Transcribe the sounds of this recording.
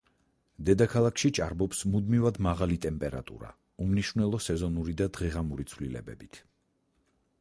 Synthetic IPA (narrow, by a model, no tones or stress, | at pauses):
d̪ɛd̪akʰalˠakʰʃit͡ʃʼaɾbɔpsmud̪mivad̪maʁalit̪ʼɛmpʼɛɾa̰t̪ʼṵɾa̰ | umniʃvnɛlˠɔsɛzɔnuɾid̪ad̪ʁɛʁamuɾit̪sʰvlilɛ̰bɛ̰bit̪ʰ